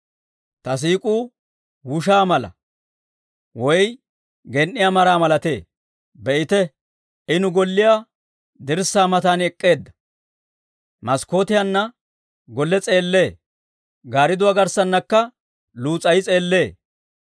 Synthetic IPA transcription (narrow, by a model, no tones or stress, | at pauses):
t̪ɐs̬iːkʼuː | wʊʃaːmɐlɐ̰ | wɔj | ɡɛnʔːɪjaːmɐɾaːmɐlɐt̪ḛː | bɛʔɪt̪ɛ | ɪnʊɡɔlːɪjaː | d̪ɪɾsːaːmɐt̪aːnɛkʼːe̞ːd̪ːɐ̥ | mɐsko̞ːt̪ɪjɐnːɐ | ɡɔlːɛt͡sʼe̞ːlːe̞ː | ɡaːɾɪd̪ʊwaːɡɐɾsɐnːɐkːɐ | luːt͡sʼɐjɪt͡sʼe̞ːlːe̞ː